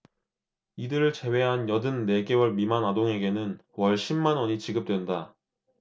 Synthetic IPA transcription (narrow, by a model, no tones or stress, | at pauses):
idɯɾɯɭt͡ɕe̞we̞ɦanjʌdɯnːe̞ɡe̞wʌɭmimanadoŋɦe̞ɡe̞nɯnwʌɭɕ͈ʰimːanʌɲit͡ɕiɡɯp̚t͈we̞nda